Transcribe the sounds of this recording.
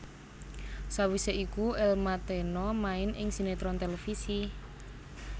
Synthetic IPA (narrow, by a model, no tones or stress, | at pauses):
sawiseʔikuɛlmat̪enɔmaɪnʔɪ̰ŋsinet̪ɾɔnt̪elefisi